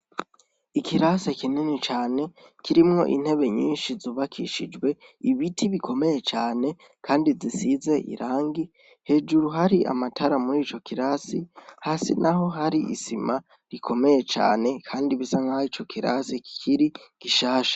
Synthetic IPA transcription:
ikiɾasekininit͡ʃaːne̞kʰiɾimŋo̞̰ʔḭn̥he̞βe̞ɲiːnʃizuːβakʰiʃid͡ʒwe̞iβitʰiβikʰo̞me̞jet͡ʃaːne̞ | kʰaːndizisize̞ʔḭɾaːŋɡi | he̞ːd͡ʒuɾuɦaɾiʔa̰matʰaɾamuɾiːt͡ʃo̞kiɾasihaːsḭnʔaɦo̞ɦaɾiḭsima | ɾikʰo̞me̞je̞t͡ʃa̰ːne̞kʰaːndiβisaŋhait͡ʃo̞kʰiɾa̰seki̥kʰiɾiɡ̥iʃaːʃḁ

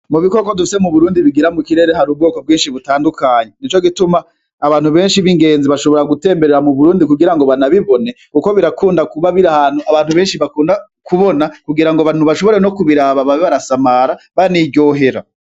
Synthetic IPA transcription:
muβiko̞ko̞dufise̞muβuɾuːndiβiɡiɾamukiɾe̞ːɾeɦaɾuːb̚ɡoːko̞b̚ɡiːnʃiβutaːndukʰaːɲenit͡ʃo̞ɡitumaː | βaːnhuβe̞ːnʃiβiŋɡe̞ːnziβaʃo̞βo̞ɾaɡute̞ːmbeɾeɾamuβuɾuːndikuɡiɾaŋɡo̞βanaβiβo̞ne̞kuko̞βiɾakʰuːndakuβaβiɾahaːn̥uʔaβaːn̥huβe̞ːnʃiβakuːnda | kuβo̞nakuɡiɾaŋɡoβan̥uβaʃo̞βo̞ɾeno̞kuβiɾaːβaβaβiβaɾasamaɾa | βaniɟo̞ɦe̞ɾa̰

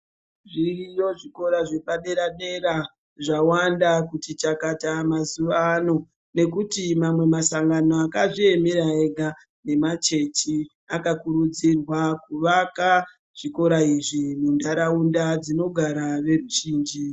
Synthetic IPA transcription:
ʐirijo̞ʐiko̞ɾaʐeɓaɗe̞ɾaɗe̞ɾa | ʐawandakutit͡ʃakatamazuʋaːno̞ | ne̞kutimamwe̞masaŋɡanoakaʐie̞meɾaeɡʱa | ne̞mat͡ʃe̞t͡ʃi | akakuɾud͡zirwakuʋaka | ʐ̥iko̞ɾaiʐimundaɾaundad͡zino̞ɡʱaɾaʋe̞ruʒiːnd͡ʒi

